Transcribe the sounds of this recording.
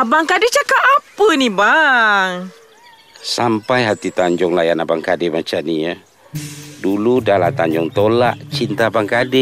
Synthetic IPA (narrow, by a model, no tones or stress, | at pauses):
abaŋkadɛt͡ʃakaːpənibaŋ | sampajɦat̪it̪aɲd͡ʒɔŋlajanabaŋkadɛmat͡ʃania | duludalat̪aɲd͡ʒɔŋt̪olaʔt͡ʃint̪abaŋkadɛ